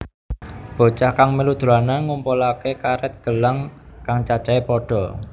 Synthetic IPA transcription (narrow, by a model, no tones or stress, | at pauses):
b̥o̤t͡ʃahkaŋmilud̪̥ṳɾanaŋumpɔlakekaɾɛt̪̚ɡ̥ə̤laŋkaŋt͡ʃḁt͡ʃaepɔɖ̥ɔ̤